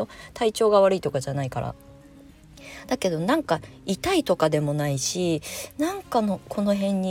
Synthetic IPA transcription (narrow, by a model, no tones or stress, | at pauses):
ot̪ʰait͡ɕo̞ːɡaβaɾɯit̪o̞kad͡ʑanaikaɾa̰ | d̪̥ake̞d̪o̞nãŋka | it̪ait̪o̞kad̪e̞mo̞naiɕinãŋkano̞kʰo̞no̞ɦẽ̞ɲ̟ːi